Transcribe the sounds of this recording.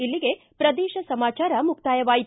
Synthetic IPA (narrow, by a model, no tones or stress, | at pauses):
ilːiɡe̞ | pɾɐd̪ɛːʃɐsɐmaːt͡ʃaːɾɐmuk̚t̪aːjɐʋaːji